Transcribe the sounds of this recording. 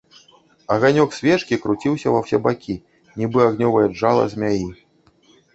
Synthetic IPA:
ɐɣanʲɔksʲvʲɛʂkʲikɾut͡sʲiwsʲɐvɐwsʲɛbakʲi | nʲibɨaɣnʲɔvɐjɐd͡ʐalˠɐ̰zʲmʲaji

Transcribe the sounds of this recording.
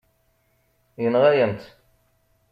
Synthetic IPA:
jənʁæjənt̪

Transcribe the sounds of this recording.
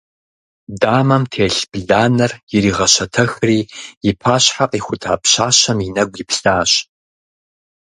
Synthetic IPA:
daːmɐmtʰeːɬb̥ɮaːnɐrjɪɾiːʁɐɕɐtʰɐxriːjɪpʰaːɕħaqʼiːxʷʊtʰa̰ːpɕaːɕɐminɐɡʷjɪpɬaːɕ

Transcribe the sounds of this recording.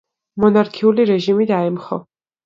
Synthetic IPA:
mɔnaɾkʰiuliɾɛʒimid̪aɛmχɔ

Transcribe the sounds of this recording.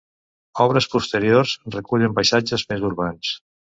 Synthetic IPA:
ɔβ̞ɾəspust̪əɾiorzrəkuʎəmpajsad͡ʒəzmezuɾβans

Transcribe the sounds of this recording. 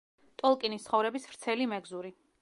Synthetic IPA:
t̪ʼɔlˠkʼinist̪sχɔvɾɛbisv̥ɾt̪sʰɛlimɛɡzuɾi

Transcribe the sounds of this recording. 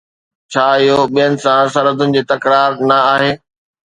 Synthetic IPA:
t͡ɕʰaːɪɦoɓijənɪ̆sãsɐɾəd̪ʱʊnɪ̆d͡ʑeːt̪ɐkɾaːɾnɐaːɦeː

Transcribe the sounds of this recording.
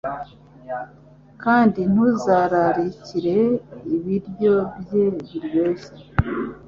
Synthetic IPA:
kaːndin̥uzaɾaɾiciɾe̞iβiɾjo̞bjeβiɾjo̞ːse̥

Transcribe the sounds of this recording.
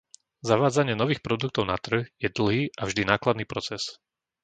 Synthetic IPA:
zaʋaːd͡zaɲɪɛnɔʋiːxpɾɔd̪uk̚t̪ɔʊnat̪r̩ɣjɛd̪l̩ɦiːʔavʒd̪inaːklad̪niːpɾɔt͡sɛs

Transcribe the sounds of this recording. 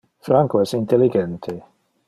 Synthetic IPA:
fɾaŋkoɛsint̪elːiɡɛnt̪ʰe

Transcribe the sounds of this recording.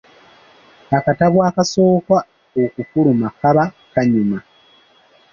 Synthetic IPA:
akataβwaːkaso̞ːkwa | okufuɾumakaβa | kaɲuma

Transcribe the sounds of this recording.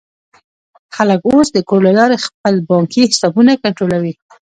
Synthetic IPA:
xaləkosd̪əkoɾlalɑɾexpəlbɑŋkihɪsɑbunakaɳʈɾolawi

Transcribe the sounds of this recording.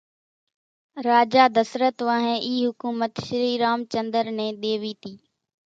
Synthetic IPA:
ɾaːd͡ʒaːd̪əsɾət̪ʋãːɦẽːʔiːɦʊkuːmət̪ʃɪɾiːɾaːmt͡ʃə̃nd̪əɾnẽːɗ̪eːʋiːt̪iː

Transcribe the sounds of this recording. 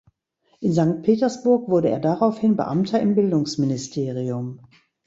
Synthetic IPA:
ʔɪnzaŋk̚t̚pʰeːtɐsb̥ʊɐkv̥ʊɐɾəḛːɐdaʁaʊfhɪnbə̰ʔa̰mtʰɐɪmbɪldʊŋsmɪnɪstʰeːʁiʊm

